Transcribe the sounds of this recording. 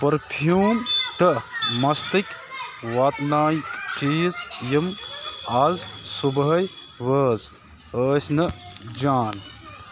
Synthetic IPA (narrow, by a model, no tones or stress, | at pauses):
pɐɾpʰjuːmt̪ɨmɐst̪ikʲʋɐːt̪naːkt͡ʃiːzjimɐzsubɦɐj | ʋəːz | əːsnɨd͡ʒaːn